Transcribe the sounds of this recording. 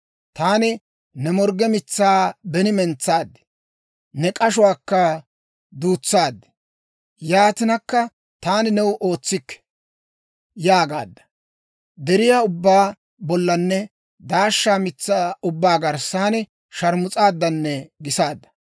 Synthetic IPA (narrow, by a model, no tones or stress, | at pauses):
t̪aːnɪ | nɛmɔɾɡɛmɪt͡sːaːbɛnɪmɛnt͡sːaːd̪ːɛ̥ | nɛkʼɐʃ̬ʊwaːkːɐ | d̪uːt͡sːaːd̪ːɛ̥ | jaːt̪ɪnɐkːɐ | t̪aːnɪnɛwʔo̞ːt͡sːɪkːɛ̥ | jaːɡa̰ːd̪ːɐ̥ | d̪ɛɾɪjaːʊbːaː | bɔlːɐnːɛ | d̪aːʃːaːmɪt͡sːaːʊbːaːɡɐɾsaːnɪ | ʃɐɾmʊt͡sʼaːd̪ːɐnːɛɡɪsaːd̪ːɐ̥